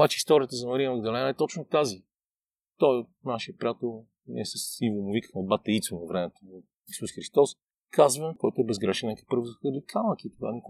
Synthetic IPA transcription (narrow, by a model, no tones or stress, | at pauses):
bat͡ʃɛist̪ɔɾiət̪əzɐmɐɾijəmɐɡd̪ɐlɛnəɛt̪ɔt͡ʃnʊt̪azi | t̪ɔj̪naʃɛəpɾʲat̪o | nɛ̰sɛsivomʊvikə̥xmɛd̪bat̪ɐit̪sonɐvɾɛmɛt̪omʊ | isusxɾist̪ɔs | kazvəkɔjt̪ʊɛbɛzɡɾɛʃɛnnʲakə̥ipɤɾvzxəd̪ikʰalˠəkʲit̪oɡa̰nʲik